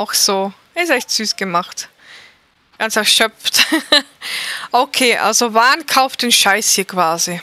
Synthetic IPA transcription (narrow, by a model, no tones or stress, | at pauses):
aʊxz̥oːʔɛsɛçtz̥yːsɡ̥əmaχt | ʔansɛʃœp͡ft | ʔokʰeːʔa̰lzovaːnkʰaʊft̚d̥eːnʃaɪshiːɐkv̥aːzi